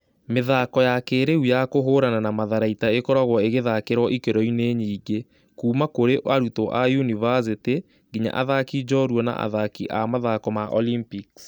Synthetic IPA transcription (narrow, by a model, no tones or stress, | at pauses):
meðakɔjakeɾeujakoɦoːɾananamaðaɾaitaekɔɾaɣwɔeɣeðakeɾɔʔikeɾɔineɲiːɡe | kuːmakoɾeʔaɾutoʔajunivas̬ite | ɡiɲa̰ʔa̰ðakid͡ʒɔɾwɔna̰ʔa̰ðakiʔamaðakɔmaʔɔ̰limpiks